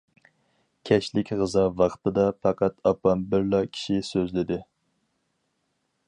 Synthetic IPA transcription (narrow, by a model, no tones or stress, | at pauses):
kʲʰɛʃlɪkʲʁəzɑvɑχt̪ɨd̪ɑpʰɑqʰɑt̪ɑpɑmbɪɾlɑkʲʰi̥ʃisøzlɪd̪ɪ